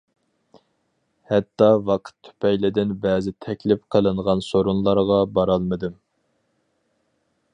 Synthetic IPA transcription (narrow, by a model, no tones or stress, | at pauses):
hɛt̪ːɑvɑqʰə̥t̪ʰːy̥pʰɛjlɪd̪ɪnbɛːzɪt̪ʰɛkʲlɪpqʰəlˠɨɴʁɑnsoɾunlˠɑɾʁɑbɑɾɑlˠmɨd̪ɨm